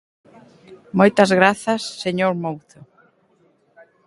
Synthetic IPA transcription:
mojt̪ɐzɣɾaθɐsːeɲoɾmowθo

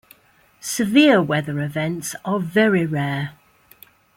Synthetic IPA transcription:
sɪvɪəwɛðəɹɪvɛ̃ntsəvɛɹiɹɛː

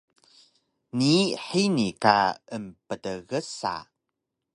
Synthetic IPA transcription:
niħinika̰əmpədəɣəsa̰

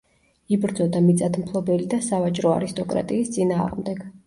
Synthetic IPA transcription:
ibɾd̪zɔd̪amit̪sʼat̪ʰmpʰlˠɔbɛlid̪asavat͡ʃʼɾɔa̰ɾist̪ʼɔkʼɾa̰t̪ʼiːst̪sʼinaːʁmd̪ɛɡ̥

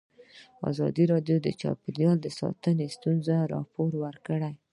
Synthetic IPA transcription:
ɑ̰zɑ̰d̪iɾɑɖjod̪ət͡ʃɑ̰pid̪ijɑld̪əsɑ̰t̪ənest̪unzaɾɑ̰poɾwəɾkəɽaj

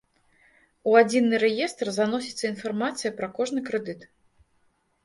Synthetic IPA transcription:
uad͡zʲinːɨɾɛjɛst̪rzanɔsʲi̥t̪sːɐinfarmat̪sɨjɐpɾɐkɔʐnɨkɾɨd̪ɨt̪

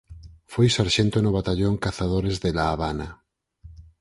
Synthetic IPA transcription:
fojsaɾʃent̪onoβ̞at̪aʎoŋkaθað̞oɾezðelaːβana

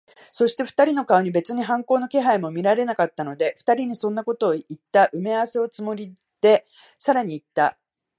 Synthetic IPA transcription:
so̞ɕi̥t̪e̞ɸɯ̥t̪aɾʲino̞kaoɲ̟ibe̞t͡sɨɲ̟iɦãŋko̞ːno̞ke̞ɦaimo̞mʲiɾaɾe̞nakat̪ːano̞d̪e̞ɸɯ̥t̪aɾʲiɲ̟isõ̞nːako̞t̪o̞ːit̪ːaʔɯ̟measeo̞t͡sɨmo̞ɾʲi | d̪̥e̞ | saɾaɲ̟iːt̪ːa

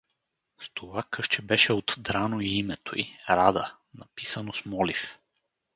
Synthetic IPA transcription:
st̪ʰovakɤʃt͡ʃɛbɛʃɛot̪d̪ɾanoiimɛt̪o̰ḭɾad̪ə | nɐpisənosmɔlif

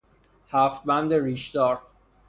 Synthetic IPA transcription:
hæːft̪̚bænd̪eɾiːʃd̪ɒːɾ

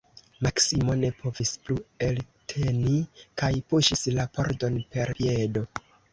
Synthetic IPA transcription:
maksimo̞ne̞pʰo̞visplue̞ltʰe̞nikajpuʃislapo̞̰ɾdo̞npe̞ɾe̞do̞

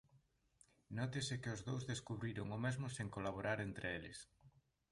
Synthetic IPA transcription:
nɔt̪ɪsɪkɪʊzðowzðeskuβɾiɾoŋomezmʊseŋkolaβ̞oɾaɾent̪ɾʔeelɪs

